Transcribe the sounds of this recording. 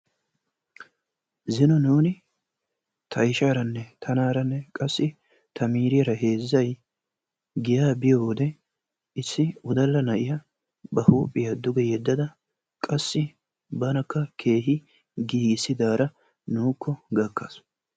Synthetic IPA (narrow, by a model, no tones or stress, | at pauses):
zɪnɔnuːnɪ | t̪ʰɐɪʃaːɾɐnːɛt̪ʰɐnaːɾɐnːɛkʼɐsːɪ | t̪ʰɐmiːɾɪɛɾɐɦe̞ːzːɐj | ɡɪjaːbɪjoːd̪ɛ | ɪsːɪʊd̪ɐlːɐnɐʔɪjɐ | bɐhuːpʼːɪjad̪ʊɡɛjɛd̪ːɐd̪ɐ | kʼɐsːɪ | bɐnɐkːɐkʰe̞ːɦɪ | ɡiːɡɪsːɪd̪aːɾɐ | nuːkːɔɡɐkːas